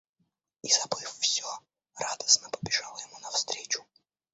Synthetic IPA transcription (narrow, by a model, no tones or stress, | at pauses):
izɐbɨfːsʲo | rad̪əsnəpəbʲɪʐalˠəjɪmunɐfst̪ɾʲet͡ɕʊ̥